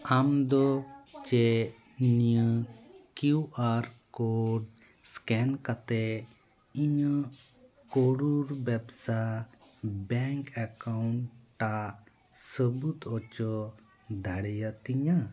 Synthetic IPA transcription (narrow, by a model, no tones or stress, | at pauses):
amd̪ɔt͡ʃɛ | nijəkuʔaɾkoɖ | skɛnkat̪ɛ | iɲə | kɔɽuɾbɛbsa | bɛŋkɛkawɳʈːa | səbut̪ɔt͡ʃɔ | d̪ʱaɽɛjat̪iɲa